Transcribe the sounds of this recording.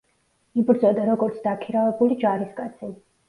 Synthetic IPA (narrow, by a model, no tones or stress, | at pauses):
ibɾd̪zɔd̪aɾɔɡɔɾt̪sʰd̪akʰiɾavɛbulid͡ʒaɾiskʼat̪sʰi